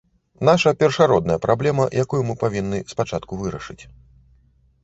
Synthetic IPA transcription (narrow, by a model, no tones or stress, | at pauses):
n̪aʂɐpʲɛrʂaɾɔd̪nɐjɐpɾʔablʲɛmɐjʔakujumɨpavʲinːɨspat͡ʂat̪kuvɨɾɐʂɨt͡sʲ